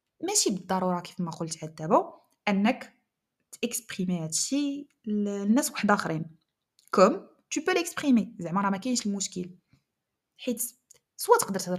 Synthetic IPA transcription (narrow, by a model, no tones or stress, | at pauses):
mæʃibəd̪ˤːɑɾˤuɾˤɑki̥fmæqolt̪ʕad̪ːæbæ | ʔənːək | t̪ʔəkspχimihæd̪ʃi | nːæswaħd̪æxɾin | kʊm | t̪ybælʔəkspχimizəʕmɑɾˤɑmækæjənʃlmʊʃkəl | ħit̪ | sˤwæt̪ə̥qd̪əɾt̪əd̪ɾ